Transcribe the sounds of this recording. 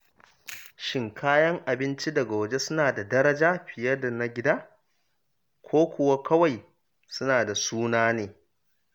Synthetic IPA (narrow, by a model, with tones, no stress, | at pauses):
ʃɪ˨ŋkʰaː˦jɐ˦ŋʔa˨bɪ˦nt͡ʃi˦dɐ˨ɡa˨wɐ˨d͡ʒe˦sʊ˦naː˨da˨dɐ˦ɾɐ˦d͡ʒaː˦ɸɪ˨jɐ˦da˨na˦ɡʲɪ˦daː˦ | kʷoː˦kʷʊ˨wa˦kʰɐ˦wa˨j | sʊ˦naː˨da˨suː˦naː˦neː˨